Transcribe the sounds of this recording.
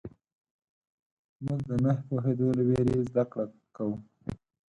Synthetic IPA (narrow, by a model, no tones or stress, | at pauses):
mʊɡd̪ənahpoɦed̪olaweɾezd̪akɽa | kawu